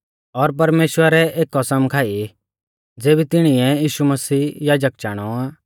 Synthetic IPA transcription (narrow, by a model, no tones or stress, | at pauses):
ɔɾp̬ɐɾmeːʃwəɾɛʔeːkːɔsəmkʰaːi | d͡zeːbit̪ɪɽ̃ɪɛ̃jiːʃumɐsiːjaːd͡ʒək̚d͡ʒaːɽ̃ɔaː